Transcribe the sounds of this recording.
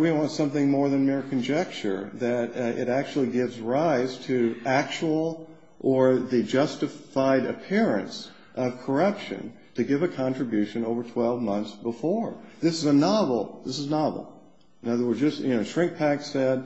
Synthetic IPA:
wiwɑ̃ntsʌ̃mθɪ̃ŋmɔɹðɨ̃nmɪɹkʰɨ̃nd͡ʒɛk̚t͡ʃə̰˞ðɨɾɪ̰ɾæk̚t͡ʃul̩ˠiɡɪvzɹaɪz̥tʰɨʔæk̚t͡ʃəl̩ˠ | ʔə˞ðɨd͡ʒʌstɨaɪɾɨ̰pʰɪɹɨ̰̃ns | ʔʌv̥kʰə˞ʌpʃɨ̰̃n | tʰɨɡɪvɨkʰɑ̃ntɹ̥ɨbjʉʃɨ̃noʊvə˞tʰw̥ɛlˠvmʌ̃nθsb̥əfɔɹðɪsɨzənɑvl̩ˠðɪsɨznɑvl̩ˠ | ɨ̃nʌðə˞wə˞dzd͡ʒʌsjɨnoʊʃɹ̥ɪ̃ŋk̚pʰæksɛd̥̚

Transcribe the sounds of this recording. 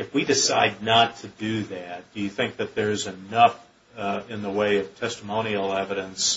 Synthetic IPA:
ɨfwidɨsaɪdⁿnətʰɨdɨðæt̚d̥ɨjɨθɪ̃ŋk̚ðɨt̪̚ðə˞zɨnʌf | ɪ̃nðəweɪʌv̥tʰɛstəmõʊ̃ñil̩ˠɛvɨɾɨ̃ns

